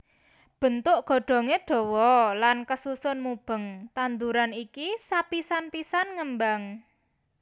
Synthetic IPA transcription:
b̥ə̤nt̪ʊʔɡ̥ɔ̤ɖ̥ɔ̤ŋeɖ̥ɔ̤wɔlankəsusʊnmub̥ə̤ŋt̪and̪uɾanikisapisanpisanŋəmbaŋ

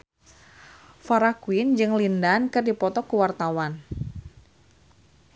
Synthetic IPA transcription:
faɾakuind͡ʒɨŋlindankɨrdipɔt̪ɔkuwart̪awan

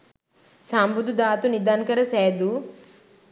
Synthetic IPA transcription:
saːmbud̪ud̪aːt̪unid̪ankɐɾɐseːd̪u

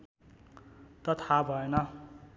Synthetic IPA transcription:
t̪ʌt̪ʰabʱʌenʌ

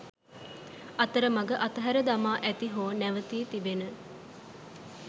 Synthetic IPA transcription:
at̪əɾəmaɡəʔat̪əɦæɾəd̪amaːʔæt̪iɦoːnæʋət̪iːt̪ibenə

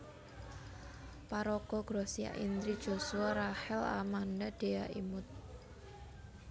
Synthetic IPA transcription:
paɾɔɡ̥ɔɡ̥ɾosija̰ʔḭnd̪ɾid̥ʒ̥o̤suaɾahɛla̰mandaɖ̥e̤aʔimʊt̪̚

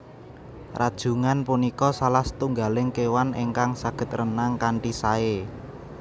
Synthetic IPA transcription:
rad̥ʒ̥ṳŋanpunikɔsalahst̪uŋɡa̤lɪŋkewaneŋkaŋsaɡ̥ə̤t̪̚rənaŋkaɳʈisae

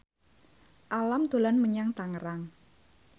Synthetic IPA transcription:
ʔalamt̪o̤lanməɲaŋt̪aŋəɾaŋ

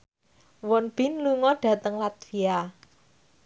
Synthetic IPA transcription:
wɔnb̥ɪ̤nluŋɔɖ̥a̤t̪əŋlat̪̚ia

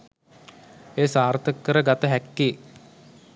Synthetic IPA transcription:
eːsaːrt̪əkːəɾəɡat̪əɦækːiː

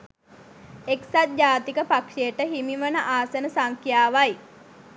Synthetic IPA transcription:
eksat̪̚d͡ʒaːt̪ikəpakʂejəʈəɦimiʋənəʔaːsənəsaŋkjaːʋaj

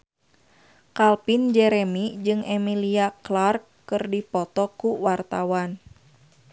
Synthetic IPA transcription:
kalpind͡ʒɛɾɛmid͡ʒɨŋɛmiliaklarkːɨrdipɔt̪ɔkuwart̪awan

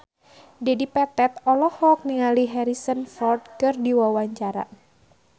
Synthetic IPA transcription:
dɛdipɛt̪ɛt̪ɔlɔhɔk̚niŋaliɦɛɾisənfɔrd̚kɨrdiwawaɲt͡ʃaɾa̰

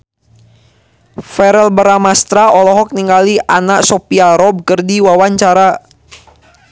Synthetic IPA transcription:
fɛɾɛlbəɾamast̪ɾaʔɔlɔɦɔk̚niŋɡaliʔanaʔsopiaɾɔb̚kərdiwawaɲt͡ʃaɾa

